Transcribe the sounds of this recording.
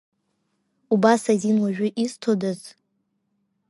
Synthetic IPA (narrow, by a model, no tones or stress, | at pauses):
ubasazinwaʒᶣʊʔistʰodɨz